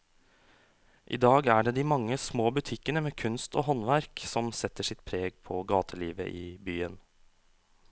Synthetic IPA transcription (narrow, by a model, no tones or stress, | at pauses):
ʔḭːd̪ɑːɡæːɖeːd̪iːmɑŋːəsmoːbʉt̪ʰɪkːənəmeːkʰʉnst̪o̰ːɦɔnʋæɾksɔmsɛt̪ːəʂɪt̪pʰɾeːɡpʰɔɡɑːt̪ʰəliːʋə̰ʔiːbyːən